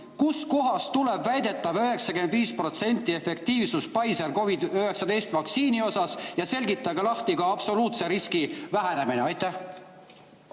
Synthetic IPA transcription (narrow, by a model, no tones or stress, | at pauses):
kusko̞ɦɑst̪ule̞bvæjd̪e̞t̪ːˑɑvøɦe̞ksɑkynd̪viːspro̞t̪se̞nʲt̪ːˑie̞fe̞k̚t̪iːvsuspɑjseɾko̞vid̪øɦe̞ksɑd̪e̞jst̪vɑksiːnio̞sɑsjɑse̞lʲɡit̪ˑːɑɡelɑht̪iɡ̥ɑɑbso̞luːt̪se̞ɾiskivæɦæne̞mineɑjt̪ːˑæh